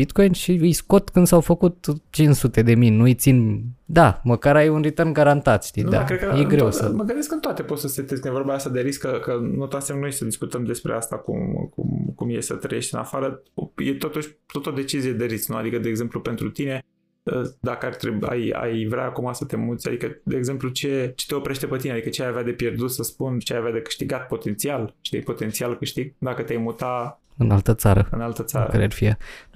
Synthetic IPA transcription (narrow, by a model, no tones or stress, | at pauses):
bit̪ko̞jnʃiɨjsko̞t̪kɨnd̪sawfəkut̪t͡ʃinsut̪e̞d̪e̞minnuɨjt̪sind̪aməkaɾajunrit̪ərnɡaɾant̪at̪ʃt̪idd̪a̰kɾed̪̚kəjeɡɾewsəməɡɨnd̪eskɨnt̪oat̪e̞pot̪səset̪eskɨnjevoɾbaast̪ad̪e̞ɾiskəkənut̪asemnujeʃisəd̪iskut̪əmd̪e̞spɾḛast̪akṵmkṵmkumjesət̪ɾəje̞ʃt̪ɨna̰faɾəjet̪o̞t̪uʃʲt̪ot̪od̪e̞t͡ʃizije̞d̪eɾit̪snua̰d̪ikəd̪eːɡze̞mplupe̞nt̪ɾut̪ine̞ | əd̪akəart̪ɾea̰ja̰jvɾea̰ːkumasət̪e̞mut̪sʲa̰d̪ikəd̪e̞eɡze̞mplut͡ʃe̞t͡ʃet̪e̞o̞pɾe̞ʃt̪e̞pət̪inead̪ikət͡ʃeajavad̪e̞pje̞rd̪ut̪səspunt͡ʃeajavead̪e̞kɨ̥ʃt̪iɡat̪̚po̞t̪e̞nt̪sialʃt̪ijpo̞t̪e̞nt̪sialkɨʃt̪iɡ̚d̪akət̪eajmut̪a | ɨnalt̪ət̪saɾəɨnalt̪ət̪saaɾə̰aɾḛarfia